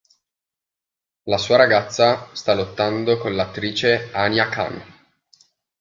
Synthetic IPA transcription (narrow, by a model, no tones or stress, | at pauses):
lasuːaɾaɡat̪sːast̪alot̪ːand̪okonlat̪ːɾiːt͡ʃeanjaka̰n